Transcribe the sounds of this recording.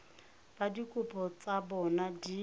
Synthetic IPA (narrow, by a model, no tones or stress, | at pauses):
badikʼʊpʰɔt͡sabɔnadi